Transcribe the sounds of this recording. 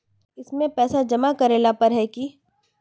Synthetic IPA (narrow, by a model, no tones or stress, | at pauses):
ɪsmẽpɛːsad͡ʒɐmakɐɾeːlapɐɾɦɛki